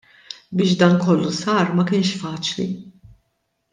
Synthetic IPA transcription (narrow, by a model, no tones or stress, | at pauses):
bɪːʃd̪ɐːnkɔlːusɐːɾmɐkɪːnʃfɐːt͡ʃlḭ